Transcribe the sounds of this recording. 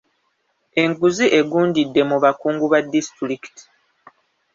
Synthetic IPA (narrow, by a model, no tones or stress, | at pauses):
e̞ŋɡuziʔe̞ɡuːndidːe̞muβakuːŋɡuβadːistɾiki̥ti̥